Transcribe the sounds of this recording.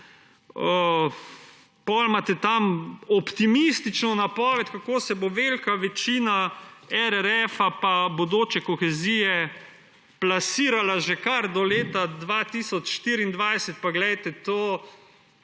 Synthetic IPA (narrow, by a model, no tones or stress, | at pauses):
ə | pɔlmat̪ɛt̪amɔpt̪imist̪it͡ʃnɔnapɔːʋɛt̪ʲkakoːsɛboʋelkaʋɛt͡ʃiːnaɛɾɛɾɛfapabod̪oːt͡ʃɛkɔxɛzijɛ | plasiːɾalaʒekaɾd̪ɔleːt̪ad̪ʋat̪isɔt͡ʃʃt̪iːɾiːnd̪ʋajsɛt̪̚paɡlɛjt̪ɛt̪oː